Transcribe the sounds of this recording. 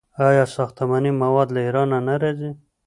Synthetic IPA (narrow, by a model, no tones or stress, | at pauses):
ɑjɑsɑxt̪amanimawɑd̪laiɾɑnanaɾɑzi